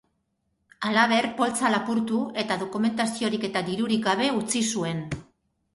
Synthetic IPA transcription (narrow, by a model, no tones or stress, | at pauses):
alaβ̞e̞rpo̞lt͡salapuɾt̪ue̞t̪aðo̞kume̞nt̪asio̞ɾike̞t̪ad̪iɾuɾikɡaβ̞e̞ut͡sisue̞n